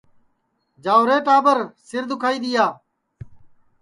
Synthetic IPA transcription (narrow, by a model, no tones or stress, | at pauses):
d͡ʒaːʋɾeːʈaːbəɾsɪɾd̪ʊkʰaːiːd̪ɪjaː